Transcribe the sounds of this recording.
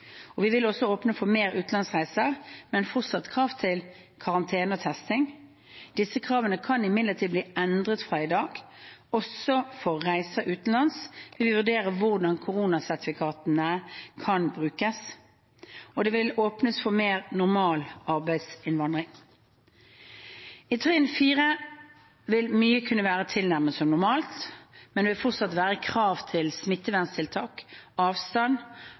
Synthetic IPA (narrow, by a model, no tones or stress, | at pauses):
ɔʋɪʋɪlɔsːɔoːpnəfɔmeːɾʉːt̪n̩lɑnsʁæɪsəʁmɛnfɔʁt̪sɑt̪kʰʁɑːʋt̪ʰɪl | kʰɑʁɑnt̪ʰeːnəɔt̪ʰɛst̪ɪŋ | d̪̥ɪsːəkʰɾɑːʋənəkʰɑnɪmɪd̪ləʁt̪ʰiːd̪bliːɛnd̪ʁət̪fʁɑːɪd̪ɑːɡ̥ | ɔsɔfɔːæɪsəʔʉːt̪n̩lɑnsʋɪlʋɪʋʉd̪eːʁəʋʊʁd̪ɑnkʰʊʁuːnɑsæʁt̪ɪfɪkʰɑːt̪ənəkʰɑnbʁʉːkəs | ɔd̪ɛʋɪloːpnəsfɔʁmeːʁnʊʁmɑːlɑʁbæɪd̪sɪnʋɑnd̪ʁɪŋ | ɪt̪ʰeɪənfiːʁə | ʋɪlmyːəkʰʉnːəʋæːʁət̪ʰɪlnæʁməsɔmnʊʁmɑːlt̪mɛnɛʋɪlfɔʁt̪sɑt̪ʋæːʁəkʰʁɑːʋt̪ʰɪlsmɪt̪ːəʋænst̪ʰɪlt̪ʰɑːkɑːʋst̪ɑn